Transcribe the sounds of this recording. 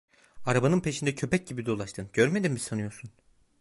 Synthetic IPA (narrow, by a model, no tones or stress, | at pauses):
aɾabanɯnpʰe̞ʃind̪ɛcʰø̞pɛc̚ɟibid̪o̞lˠaʃt̪ʰɯnɟ̥øɾme̞d̪immisanɯjo̞ɾsun